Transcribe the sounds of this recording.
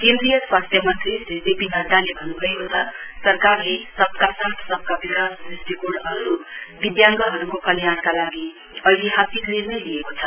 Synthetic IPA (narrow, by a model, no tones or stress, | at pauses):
kẽnd̪rijʌswast̪ʰjʌmʌt̪isd͡zesd̪epinʱʌʈalebʱʌnubʱʌjkot͡sʰʌsʌrkarlesʌbkasat̪ʰsʌb̚kabikassrisʈ̪ikoɖɦʌɾuɾubid̪jaŋɡʌɦʌɾukokʌlijankalaɡi | ʌileɦasiɡlenʌjliekot͡sʰʌ̥